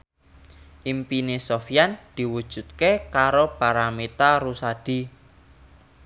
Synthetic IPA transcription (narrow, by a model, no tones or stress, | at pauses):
ʔimpinesofijand̪̥i̤wud̥ʒ̥ṳt̪̚kekaɾobaɾamet̪aɾusad̥i̤